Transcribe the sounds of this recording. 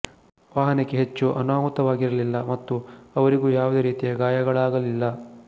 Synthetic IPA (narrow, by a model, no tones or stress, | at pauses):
ʋaːɦɐnekːeɦet͡ʃːuʔɐnaːmut̪ɐʋaːɡiɾɐlilːɐmɐt̪ːuɐʋɐɾiɡuːjaːʋud̪eːɾiːt̪ijɐɡaːjɐɡɐɭaːɡɐlilːɐ